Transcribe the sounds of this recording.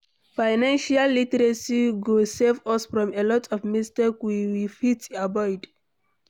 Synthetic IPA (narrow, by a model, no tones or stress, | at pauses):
faɪnãnʃalːitɛɹasiɡosɛvɔsfɹɔ̃melɔtʰɔvmistekwiwifitabɔɪd